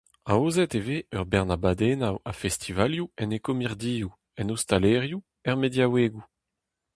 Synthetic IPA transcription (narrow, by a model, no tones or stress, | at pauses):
aoːzɛt̪eveœʁbɛʁnabad̪enawafɛst̪ʰivaljuɛnekomiʁd̪iːu | ɛnost̪aleʁju | ɛʁmed̪jaweːɡu